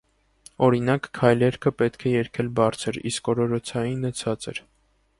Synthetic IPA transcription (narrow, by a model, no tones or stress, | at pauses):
ɔɾinɑkːʰɑjlɛɾkʰəpɛt̪kʰɛjɛɾkʰɛlbɑɾt͡sʰəɾḭskɔɾɔɾɔt͡sʰɑjinːət͡sʰɑt͡sɛ̰ɾ